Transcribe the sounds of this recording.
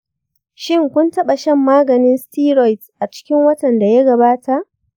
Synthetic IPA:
ʃɪ˦ŋkʷʊ˦ntɐ˦ɓa˨ʃɛ˦mːaː˦ɡɐ˨nɪ˦nstiː˦ɾɔ˨jtʔa˨t͡ʃɪ̥˦kʲɪ˦ŋwɐ˦tɐ˨nda˨ja˦ɡɐ˨baː˦tʰa˨ʔ

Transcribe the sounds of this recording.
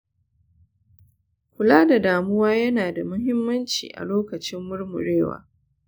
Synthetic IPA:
kʷʊ˨laː˦da˨daː˨mʊ˦waː˦jɐ˦naː˨da˨mʊ˦ɦɪ˦mːɐ˦nt͡ʃḭː˨ʔa̰˨loː˦kɐ˨t͡ʃɪ˦mːʊ˦rmʊ̰˨ɽeː˦˨wa̰ː˨

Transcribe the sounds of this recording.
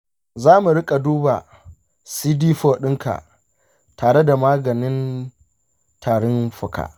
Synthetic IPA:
zaː˦mu˨ɽɪ˦kʼa˨duː˦ba˨ | siː˦diː˦ɸoː˨ɗɪ˦ŋka̰˨ʔ | taː˨ɽe˦da˨maː˦ɡɐ˨nɪ˦n | tʰaː˨ɽɔ˦nɸʊ˨ka̰ː˨ʔ

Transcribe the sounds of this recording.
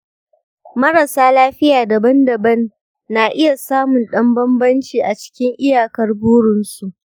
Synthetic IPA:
mɐ˦ɾa˨saː˦laː˦ɸɪ˦jaː˨dɐ˨bɐ˦ndɐ˨bɐ˦nː | aː˨ʔɪ˦ja˨saː˦mʊ˨nɗɐ˦mbɐ˦mbɐ˦nt͡ʃiː˨ʔa˨t͡ʃɪ̥˦kʲɪ˦ŋʔɪ˦jaː˨kɐ˦rbuː˦ɽʊ˨nʃi˨ʔ

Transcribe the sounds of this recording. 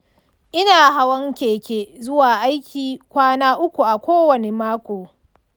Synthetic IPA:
ʔɪ˦naː˨ɦa˦wɐ˦ŋkʲeː˨kʲeː˦zʊ˦waː˨ʔa˦jkʲiː˨kʷaː˦naː˦ʔʊ˦kʷu˨ʔa˨kʷoː˦wɐ˨ne˨maː˦kʷoː˨

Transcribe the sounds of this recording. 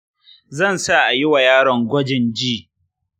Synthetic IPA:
zɐ˦˨nsa˦˨ʔa˨jɪ˦wa˨jaː˦ɽɔ˨ŋɡʷɔ˦d͡ʒɪ˨nd͡ʒiː˦˨

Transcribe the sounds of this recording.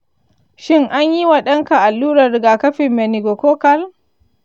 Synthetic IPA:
ʃɪ˦ŋʔa˦ɲji˦wa˨ɗɐ˦ŋka˨ʔa˨lːuː˦ɾɐ˨rɪ˨ɡaː˨kɐ˦ɸɪ˨mːɛ˨ni˨ɡo˨koː˦kɐ˦l

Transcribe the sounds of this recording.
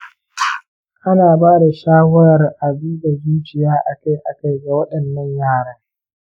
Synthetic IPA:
ʔa˦naː˨baː˦da˨ʃaː˦wɐ˦ɾɐ˨rʔa˨biː˦da˨zuː˦t͡ʃɪ˨jaː˦ʔa˨ka˦jʔa̰˨ka˦jɡa˨wɐ˦ɗɐ˨nːɐ˦ɲjaː˦˨ɽa˦ŋ

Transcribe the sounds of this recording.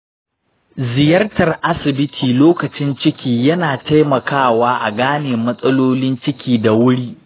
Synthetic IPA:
zɪ˨jɐ˦rtɐ˨rʔa˦sɪ˨bɪ˦tʰiː˨loː˦kɐ˨t͡ʃɪ˦nt͡ʃɪ˦kʲiː˨jɐ˦naː˨tʰa˦jmɐ˨kʰaː˦˨waː˦ʔa˨ɡaː˦neː˨mɐ˦sʼɐ˦loː˦lɪ˦nt͡ʃɪ˦kʲiː˦da˨wʊ˦ɽiː˦ʔ

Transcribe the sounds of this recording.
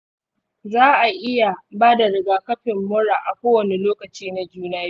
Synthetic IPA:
zaː˦ʔa˨ʔɪ˦ja˨baː˦da˨ɽɪ˨ɡaː˨kɐ˦ɸɪ˨mːʊ˦ɽaː˨ʔa˨kʷoː˦wɐ˨ni˨loː˦kɐ˨t͡ʃiː˦na˦d͡ʒuː˦naː˦ji˦

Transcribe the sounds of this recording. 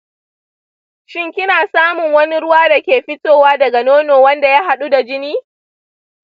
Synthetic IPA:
ʃɪ˦ŋkʲɪ˦naː˨saː˦mʊ˨ŋwɐ˦ni˦ɽʊ˦waː˦da˨kʲeː˨ɸɪ˦toː˦waː˦dɐ˨ɡa˨noː˦noː˨wɐ˦nda˨ja˦ɦa˨ɗu˦da˨d͡ʒɪ˦niː˦

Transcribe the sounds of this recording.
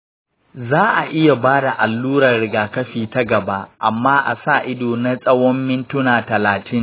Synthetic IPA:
zaː˦ʔa˨ʔɪ˦ja˨baː˦da˨ʔa˨lːuː˦ɾɐ˨rɽɪ˨ɡaː˨kɐ˦ɸiː˨ta˦ɡɐ˨ba˦ʔa˨mːaː˦ʔa̰˨saː˦˨ʔɪ˦doː˨na˦sʼɐ˦wɔ˦mːɪ˦ntʊ˦naː˨tɐ˨laː˨tʰɪ˦ŋ

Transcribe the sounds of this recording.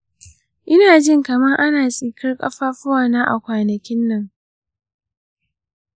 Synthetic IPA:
ʔɪ˦naː˨d͡ʒɪ˦ŋkɐ˨mɐ˦rʔa˦naː˨sʼiː˨kʰɐ˦rkʼɐ̰˦ɸaː˦ɸʊ˦waː˨naː˦ʔa̰˨kʷaː˨nɐ˨kʲɪ˦nːɐ˦˨ŋ

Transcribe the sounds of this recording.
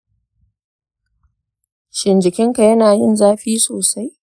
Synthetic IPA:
ʃɪ˨nd͡ʒɪ˨kʲɪ˦ŋka˨jɐ˦naː˨jɪ˦˨nzaː˦ɸiː˦soː˨sa˦j

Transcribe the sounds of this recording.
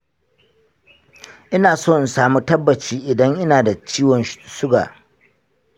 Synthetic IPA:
ʔɪ˦naː˨soː˦˨n˨saː˨mu˦tɐ˦bːɐ˨t͡ʃiː˦ʔɪ˨dɐ˦ŋʔɪ˦naː˨da˨t͡ʃiː˦wɔ˨nʃʊ˦ɡa̰ː˨

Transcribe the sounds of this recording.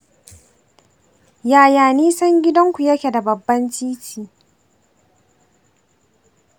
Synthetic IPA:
jaː˨jaː˨niː˦sɐ˦ŋɡʲɪ˦dɐ˦ŋkʷu˨jɐ˦kʲe˨da˨bɐ˨bːɐ˦nt͡ʃiː˦t͡ʃiː˨

